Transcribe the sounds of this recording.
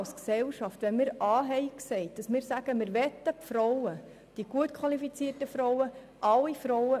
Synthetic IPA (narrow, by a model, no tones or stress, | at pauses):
lsksɛlʃɑftʋɛnmɪɾʔɑːɦɛɪksɛɪt̚d̥ɑsmɪːɾsæɡ̥əmɪːɾʋɛt̪ːəpfɾɔwə | d̥iɡ̥uətkʰwɑlifit͡siːətəfɾɔwə | ʔɑlːifɾɔwə